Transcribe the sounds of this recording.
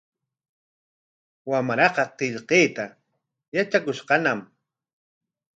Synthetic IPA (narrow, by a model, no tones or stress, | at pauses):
wamɾɑqɑqeʎqeːt̪a | jat͡ʃakʊʃqɑnam